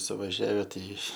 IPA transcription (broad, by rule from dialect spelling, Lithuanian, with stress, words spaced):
sʊʋɐʒʲˈæːʋʲɛ ˈtɐɪ